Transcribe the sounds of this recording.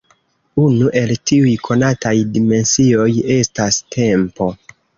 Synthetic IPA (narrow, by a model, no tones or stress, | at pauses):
unuʔe̞ltiujkʰo̞natajdime̞nsio̞je̞stastʰe̞mpo̞